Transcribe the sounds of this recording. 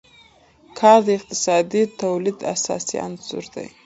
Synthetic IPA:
kʰɑɾd̪əɪq̚t̪ɪ̥sɑd̪it̪awlid̪a̰sɑ̰sia̰nz̥ʊ̰ɾd̪a̰j

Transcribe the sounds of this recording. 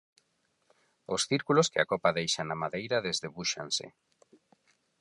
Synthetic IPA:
osθiɾkuloskɪa̰kɔpaðejʃanamaðejɾaðezðeβuʃa̰nsɪ̰

